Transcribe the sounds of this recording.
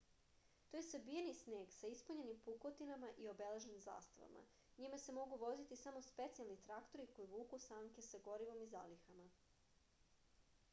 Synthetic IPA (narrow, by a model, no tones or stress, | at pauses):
t̪oje̞sabijenisne̞ːɡsaispuɲe̞nimpukot̪inamaʔio̞be̞le̞ʒnimza̰ːst̪aʋa̰ma̰ | ɲimase̞mo̞ɡuʋo̞zit̪isamo̞spe̞t̪sialˠnit̪ɾakt̪o̞ɾiko̞jiʋuːkusaŋke̞saɡo̞ɾiʋo̞mizalixama